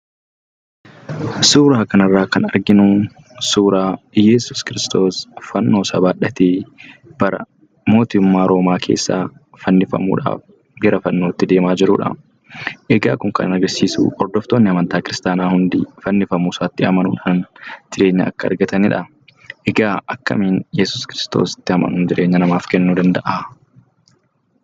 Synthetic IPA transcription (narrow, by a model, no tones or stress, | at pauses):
suːɾaːkɐnɐrːaːkɐnɐɾɡɪnʊ | suːɾaːjɛsʊskɪɾɪst̪o̞ːsfɐnːo̞ːsɐbaːᶑɐt̪eːb̥ɐɾɐ̰ | mo̞ːt̪ɪʊmːaːɾo̞ːmaːkʰe̞̰ːsːa̰ː | fɐnːɪfɐ̰mṵːᶑa̰ːf | ɡɛɾɐfɐnːo̞ːt̪ːɪd̪e̞ːmaːd͡ʒɪɾʊᶑɐ̰ | ʔɛɡa̰ːkʊŋkɐ̰nnɐɾɡɐsiːsṵːʔɔɾd̪ɔft̪oːnːɪɐmɐnt̪aːkɪɾɪst̪aːnaːhʊnd̪ɪfɐnːɪfɐmuːsaːt̪ːɪɐmɐnuːᶑaːnt̪ɪᶑe̞ːɲːɐɐ̰kːɐɐ̰ɾɡɐt̪ɐnɪᶑɐ | ʔɛɡaːʔɐkːɐ̰miːnjɛsʊskɪɾɪst̪o̞̰ːsɪ̥t̪ːɪhɐmɐ̰nʊnd͡ʒɪɾʔe̞ːɲːɐnɐmaːfkɛnːuːd̪ɐnd̪ɐʔa